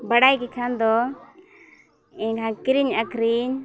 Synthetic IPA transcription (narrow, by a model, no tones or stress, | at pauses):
bəɽaːikekʰaːnd̪oː | ẽkʰãːkɪɾiɲəkɾiɲ